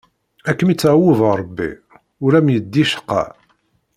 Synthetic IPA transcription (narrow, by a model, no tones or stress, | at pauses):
ækːəmit͡sːʕawːəðɾˤəbːḭ | ʊɾæmjəd̪ːiʃə̥qːɑ̰